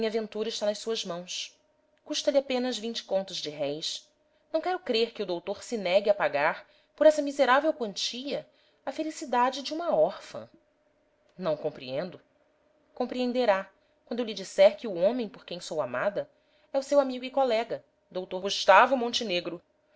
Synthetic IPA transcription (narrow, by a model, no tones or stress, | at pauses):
mĩɲavẽnt̪uɾɐiʃt̪anɐʃsuɐzmɐ̃w̃s | kuʃt̪ɐlɪapẽnɐzvĩnt͡ʃɪ̥kõnt̪ʊzd͡ʒɪɦɛjs | nɐ̃w̃kɛɾʊkɾeɾkɪʊd̪owt̪oɾsɪnɛɡɪɐpaɡaɾ | poɾɛsɐmizeɾavewkwɐ̃nt͡ʃiʎɐ | ɐfelisid̪ad͡ʒɪd͡ʒɪũmɐɔɾfɐ̰̃ | nɐ̃w̃kõpɾiẽnd̪ʊ | kõmpɾiẽnd̪eɾa | kwɐ̃nd̪ʊlid͡ʒisɛɾkɪʊõmẽj̃poɾkẽj̃sowamad̪ɐ | ɛʊsewamiɡʊikɔlɛɡɐ | d̪owt̪oɾɡuʃt̪avʊmõnt͡ʃɪneɡɾʊ